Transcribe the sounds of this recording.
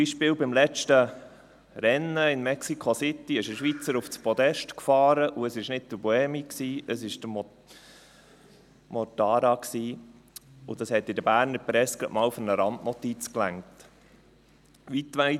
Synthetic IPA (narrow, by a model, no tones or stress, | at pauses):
iʃpɪːwbɪmlɛt͡ʃtə | ɾɛnːəɪnmɛksikʰχosɪt̪ːiɪʃəʃʋit͡səɾuft͡spɔd̪ɛʃtkfɑːɾəʔuəsɪʃnɪd̚d̪̥əbɔɛmiksiːʔəsɪʃd̥̪əm | mɔtɑːɾɑksiː | ʊd̥ɑshɛt̪ːɪd̥əbæːɾnəɾpɾɛskəʔmɑːwfʊɾnəɾɑndnɔt̪it͡sklæŋkt | ʋit̪ʋæɪ